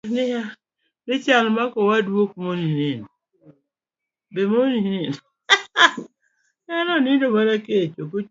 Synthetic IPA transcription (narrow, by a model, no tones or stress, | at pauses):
nɪa | nɪt͡ʃalmakɔwadwokmoninin | bemoninin | anɔninomanaket͡ʃoko